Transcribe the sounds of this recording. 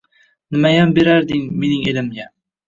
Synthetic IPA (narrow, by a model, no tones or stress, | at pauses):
nɪmajambeɾaɾd̪ɪŋmenɪŋelɪmɡa